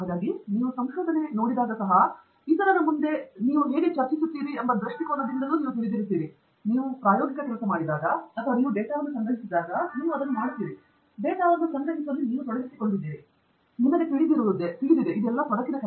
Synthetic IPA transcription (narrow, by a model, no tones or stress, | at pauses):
ɦaːd̪aːɡiniːʋusɐmʃoːd̪ʱɐne̞no̞ːɽid̪aːɡɐsɐɦɐ | it̪ɐɾɐɾɐmund̪e̞niːʋuɦeːɡet͡ʃɐɾt͡ʃisut̪ːiːɾiɐmbɐd̪ɾɐʂʈikɔːnɐd̪ind̪ɐnuːniːʋut̪iɭid̪iɾut̪ːiːɾi | niːʋupɾaːjɔːɡikɐkɛlɐsɐmaːɽid̪aːɡɐɐt̪ʰɐʋɐniːʋuɖɛːʈaːʋɐnːusɐŋɡɾɐɦisid̪ːaːɡɐniːʋuɐd̪ɐnːumaːɽiut̪ːiːɾi | ɖɛːʈaːʋɐnːusɐŋɡɐɦisɐlːiniːʋut̪ɔɽɐɦisi̥koɳɖid̪iːɾi | nimːɐɡet̪iɽid̪iːɾoːid̪esid̪id̪eʔid̪ɛlːɐt̪ɔɽɐkːinɐk